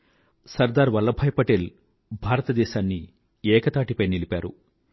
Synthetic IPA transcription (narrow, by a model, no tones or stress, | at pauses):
sɐɾd̪aːɾʋɐlːɐbʱɐjpɐʈel | bʱaːɾɐt̪ɐd̪ɛːʃaːnːi | ɛːkɐt̪aːʈipɐjnilipaːɾṵ